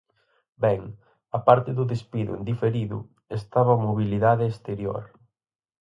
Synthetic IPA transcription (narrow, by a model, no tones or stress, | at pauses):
bɛŋ | ɐpaɾt̪ɪðʊðespiðʊ̰ḛnd̪ifeɾiðʊ̰ | est̪aβɐmoβiliðaðɪːst̪eɾjo̰ɾ